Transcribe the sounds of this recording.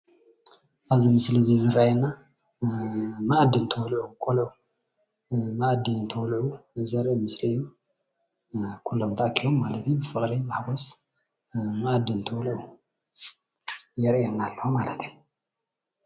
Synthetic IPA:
ʔaβzimɨslizizɨrajnːa | maʔd̪ːint̪ʰɐwlʕukʰʼolu | maʔd̪ːit̪ʰɐwlʕuzɐɾmɨsliɨjːu | kʰulːomt̪ʰaʔakʰijomːalɐt̪jubɨfɨχʼɾimaħɡos | maʔd̪ːɨnt̪ʰɐwlʕu | jɛɾʔɛnːalːohomalɐt̪ʰju

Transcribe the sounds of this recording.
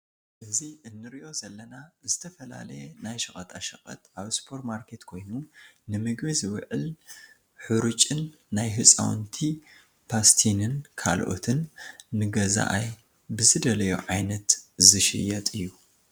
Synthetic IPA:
ʔɨziʔɨnːɨɾiʔo̞zɐlːɐnazɨt̪ʰɐfɐla̰lɐjenajʃɐχʼɐt̪ʰʼaʃɐχʼɐ̰t̪ʔaβspʰoɾt̪maɾkʰe̞t̪kʰo̞jnunɨmɨɡβizwɨʕɨl | ħɨɾut͡ʃʼɨnː | ajɦɨsʼa̰w̰nt̪ʰi | pʰast̪ʰinɨnkʰa̰lʔo̞̰t̪ʰɨnːɨɡɐza̰ʔaj | bɨzɨd̪ɐlɐjṵʕajnɐt̪zɨʃɨ̰jɐt̪ʼɨjːu

